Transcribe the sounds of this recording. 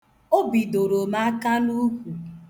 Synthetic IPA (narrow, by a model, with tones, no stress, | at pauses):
o˦bi˨do˨ɾo˨ma˦a˦ka˦nu˦kʷu˨